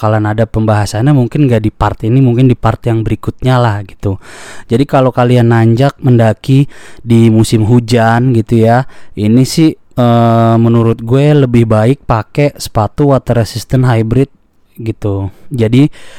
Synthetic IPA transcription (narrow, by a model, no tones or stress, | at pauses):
kalanadapəmbaɦasaɲamuŋkɪnŋɡaʔdipart̪iinimuŋkɪndipart̪ɛjaŋbəɾikʊt̪̚ɲalahɡit̪ud͡ʒadikalokalianːaɲd͡ʒak̚məndakidimusɪmɦud͡ʒanɡit̪ujainisɪh | əmənuɾʊt̪̚ɡuɛləbɪhbaɪk̚pakesə̥pat̪uwat̪əɾəsist̪ənɦajbɾɪt̪̚ | ɡit̪ud͡ʒadi